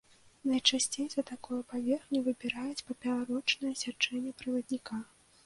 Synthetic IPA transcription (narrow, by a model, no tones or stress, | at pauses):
nɐjt͡ʂasʲt͡sʲejzɐt̪akɔjɐpavʲɛrxnʲuvɨbʲiɾajut͡sʲpɐpʲɛlaɾɔt͡ʂnɐjɐsʲat͡ʂɛnʲːɛpɾɨvɐd̪nʲika